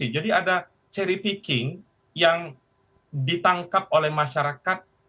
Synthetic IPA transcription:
id͡ʒadiada | t͡ʃɛɾipikɪŋ | jaŋ | dit̪aŋkap̚olɛhmaʃaɾakat̪̚

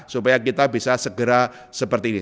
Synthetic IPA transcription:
supajakit̪abisasəɡəɾa | səpərt̪iːni

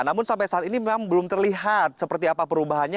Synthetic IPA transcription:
namʊnsampajsaat̪inimemaŋbəlʊmt̪ərliɦat̪̚səpərt̪iapapəɾubaɦanɲa

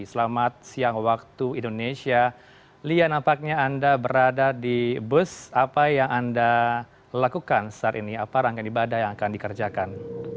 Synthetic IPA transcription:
səlamat̪̚siaŋwak̚t̪uindonesia | lianampak̚ɲaːndabəɾadadibusapajaŋanda | lakukansə̥at̪iniapaɾaŋkanibadahjaŋakandikərd͡ʒakan

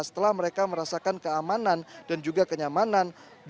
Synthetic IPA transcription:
sə̥t̪əlahməɾekaməɾasakankəamanand̥and͡ʒuɡakəɲamanan | b

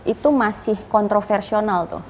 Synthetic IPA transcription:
ʔit̪umasɪhkɔnt̪ɾofɛrsionalt̪ṵh

